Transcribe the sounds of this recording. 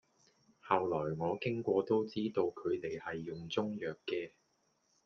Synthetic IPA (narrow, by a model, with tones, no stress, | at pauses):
hɐ˨wlɔː˨˩jŋɔː˨˧kɪ˥ŋkʷɔː˧t̪o˥wt͡siː˥t̪o˧wkʰɵ˨˧ɥt̪e˨jhɐ˨jːʊ˨ŋt͡sʊ˥ŋjœː˨kːɛː˧